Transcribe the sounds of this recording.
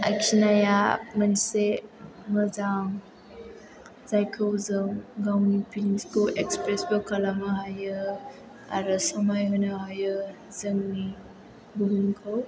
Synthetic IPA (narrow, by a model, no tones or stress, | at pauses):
a̰jksinajamansemɯzaŋ | zajkʰɯwzɯŋɡawnipiskʰowʔekspɾesbɔkalamaɦajɯ | a̰ɾɯsɐmajɦɔnaɦajɯ | zəŋni | buɦuŋkʰaw